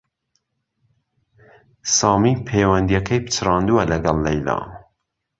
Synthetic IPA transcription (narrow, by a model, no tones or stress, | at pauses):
sɑːmipʰeːwɐnd̪ijɐkʰɐjpʰɨ̥t͡ʃrɑːnd̪uɐlɐɡɐlːɐjlɑ̰ː